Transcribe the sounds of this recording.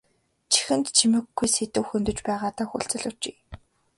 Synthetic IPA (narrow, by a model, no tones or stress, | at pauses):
t͡ɕʰi̥xɘ̆nt̪t͡ɕʰimɘ̆ɡːujset̪ɘ̆wxɵnt̪ɵ̆t͡ɕpæːʁaːt̪aːxṵɬt͡sɘ̆ɮʊt͡ɕi